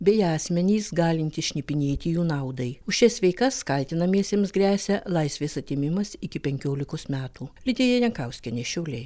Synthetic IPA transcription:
bʲɛjɑːsʲmʲɛnʲiːsɡɑːlʲɪnʲt̪ʲɪsʃʲnʲɪpʲɪnʲeːt̪ʲɪjuːnɐʊd̪ɐɪʊʃʲʃʲɛsʲʋʲɛɪkɐskɐlʲt̪ʲɪnɐmʲiɛsʲɛmsɡɾʲæːsʲɛlˠɐɪsʲʋʲeːsɐt̪ʲɪmʲɪmɐsɪkʲɪpʲɛŋʲkʲoːlʲɪkosmʲæːt̪uːlʲɪd̪ʲeːjɛjɛŋkɐʊsʲkʲɛnʲeʃʲɛʊlʲeɪ

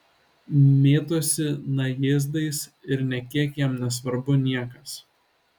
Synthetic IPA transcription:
mʲeːt̪osʲɪnɐjeːzd̪ɐɪsɪɾnʲɛkʲiɛkjɛmnʲɛsʋɐɾbʊnʲiɛkɐs

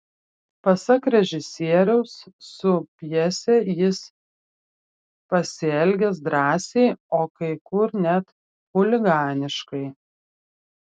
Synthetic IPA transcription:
pɐsɐkɾʲɛʒʲɪsʲiɛɾʲɛʊsːʊpʲjɛsʲɛjɪs | pɐsʲɪɛlʲɡʲɛs̬d̪ɾɑːsʲɛɪoːkɐɪkʊɾnʲæt̪ | xʊlʲɪɡɑːnʲɪʃkɐɪ

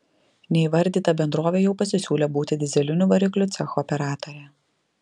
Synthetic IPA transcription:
nʲɛɪʋɐɾʲˑd̪ʲiːt̪ɐbʲɛnd̪ɾoːʋʲeːjɛʊpɐsʲɪsʲuːlʲɛbuːt̪ʲɪd̪ʲɪzʲɛlʲɪnʲʊʋɐɾʲɪklʲʊt̪sʲɛxɔɔpʲɛɾɑːt̪oɾʲɛ

